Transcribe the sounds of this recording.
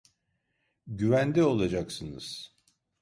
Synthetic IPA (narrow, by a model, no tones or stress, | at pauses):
ɟyvænd̪ɛo̞lˠad͡ʒaksɯnɯz̥